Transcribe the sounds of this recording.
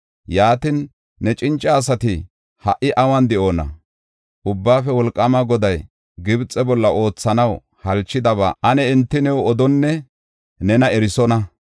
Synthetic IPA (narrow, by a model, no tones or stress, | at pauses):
jaːt̪ɪnː | ɛt͡ʃʼɪnt͡ʃʼːɐːs̬ɐt̪ɪ | hɐʔːɪʔɐwɐnd̪ɛʔo̞ːnɐ̰ | ʔʊbːaːfɛwɔlkʼːɐmaɡɔd̪ɐj | ɡɪbt͡sʼɛbɔlːɐʔo̞ːt͡sːɐnɐw | hɐlt͡ʃːɪd̪ɐβa̰ʔɐnɛɛnt̪ːɪnɛwɔd̪ɔnːɛ | nɛnɐɛɾɪsɔnɐ